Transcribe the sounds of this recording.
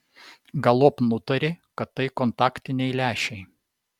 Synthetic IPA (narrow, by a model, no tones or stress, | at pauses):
ɡɐlˠoːpnʊt̪ɐɾʲɪkɐt̪ːɐɪkont̪ɑːkt̪ʲɪnʲɛɪlʲæːʃʲɛɪ